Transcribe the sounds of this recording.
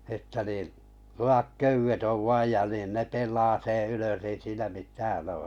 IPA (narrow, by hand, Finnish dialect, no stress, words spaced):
etːæ niːn̞ luɑk køywet oʋ ʋɑij jɑ nin ne pelˑɑː sẽː yløs ei siːnæ mitæːn oː